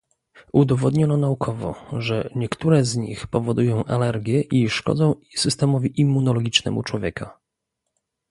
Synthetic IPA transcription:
ud̪ɔvɔd̪ɲɔnɔnaukʰɔvɔ̰ʐɛɲɛkt̪uɾɛzɲḭxpɔvɔd̪ujɔ̃w̃ʔalɛɾɡʲjɛʔiʂkɔ̰d̪zɔ̃w̃sɘst̪ɛmɔvʲiʔimːunɔlɔɡʲit͡ʂnɛ̰mut͡ʂwɔvʲjɛka

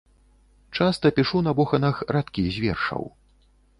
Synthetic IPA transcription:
t͡ʂast̪ɐpʲiʂunɐbɔxɐnɐxɾat̪kʲizʲvʲɛ̰rʂɐ̰w

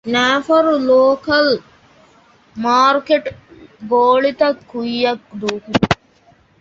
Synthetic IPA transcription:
næːfɐɾuloːkɐl | maːɾkeʈɡoːɭit̪ɐkʰːujːɐkd̪uːkin

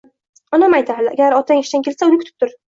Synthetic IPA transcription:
namajt̪ʰahala̰ɡʲaɾɒt̪ʰaŋɪʃd̪ankʰʲe̞lsaʊnɪkʰʊ̥t̪ʰɪ̥p̚t̪ʰʊɾ

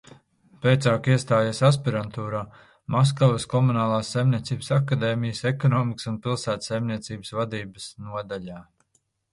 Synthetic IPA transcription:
pejt̪saːkiɛst̪aːjasas̬piɾant̪uːɾaː | mɔs̬kɔveskɔmunaːlˠaːsːajmnʲiɛt̪siːbəsakːad̪eːmijəsɛkɔnɔːmiksunpilˠsæːt̪sajmniɛt̪siːbsvad̪iːbəsnuɔd̪aʎaː

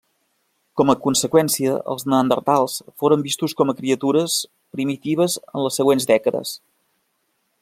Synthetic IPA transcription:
kɔməkunsəkwɛnsiəə̰lˠznənd̪ə̰rt̪alˠsfoɾəmbist̪uskɔməkɾiət̪uɾəs | pɾimit̪iβ̞əzə̰nləsːəɣwenzd̪ɛkəðə̰s

